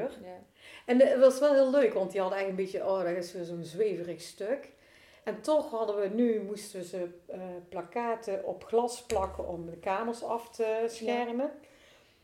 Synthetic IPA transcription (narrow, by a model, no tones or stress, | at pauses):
r | ɛnʋɑsʋɛlˠɦɪːlˠløɥkʋɑntdiɦɑdəɛjənbetjəʔoːdarɪsʋɪzonzʋejvərəxstøk | ɛntɔxɦɑdəʋənymustəʋəzəplakaːtəʔɔpχlɑsplɑkəʔɔmdəkaːməɹsɑftəsxɛrmən